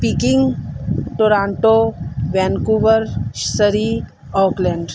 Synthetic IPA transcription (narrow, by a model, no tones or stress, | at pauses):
piːkɪ̃ŋɡʈoːɾãːɳʈoʋɛnkuːʋəɾʃsəɾi | ɔːkleɳɖ